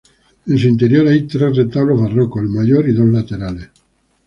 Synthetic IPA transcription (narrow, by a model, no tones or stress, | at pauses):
ens̬uint̪eɾjoɾajt̪ɾeret̪aβlozβarokoelmaʝoɾiðozlat̪eɾales